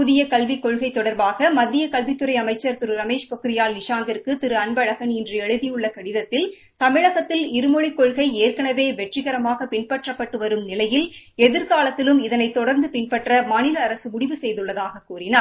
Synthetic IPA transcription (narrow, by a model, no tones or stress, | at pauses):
pʊðɪjɐkɐlʋɪkːɔɻɣɐɪt̪ːɔɽɐɾbaːɣɐmɐd̪ːɪjɐkɐlʋɪt̪ːɯɾɐɪɐmɐɪt͡ʃːɐɾt̪ɪɾɯɾɐmeːʂpɔkɪɾɪjaːlnɪʂaːŋɡɪɾkɯt̪ɪɾɯɐɳbɐɻɐɣɐnɪndrɐɛɻɯðɪjɯɭːɐkɐɽɪðɐt̪ːɪl | t̪ɐmɪɻɐɣɐt̪ːɪlɪɾɯmɔɻɪkːɔɻɣɐɪeːrkɐɳɐʋeːʋɛʈrɪɣɐɾɐmaːɣɐpɪɳpɐʈrɐpːɐʈːɯʋɐɾɯmnɪlɐjɪlɛðɪɾkaːlɐt̪ːɪlɯmɪðɐnɐɪt̪ɔɽɐɾnd̪ɯpɪnpɐʈrɐmaːnɪlɐːɾɐsɯmʊɽɪʋɯsɛjðɯɭːɐðaːɣɐkuːrɪnaːɾ